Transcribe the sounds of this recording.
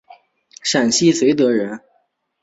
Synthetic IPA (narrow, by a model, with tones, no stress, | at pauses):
ʂa˨˩nɕi˥˩swe˧˥ɪt̪ɤ˧˥ɻə˧˥n